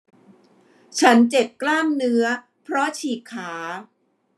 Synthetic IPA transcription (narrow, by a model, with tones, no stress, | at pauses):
t͡ɕʰa˦˥nt͡ɕe˨˩p̚klaː˥˩mnɯ˦˥ɐ | pʰɾɔ˦˥t͡ɕʰiː˨˩kʰːaː˩˦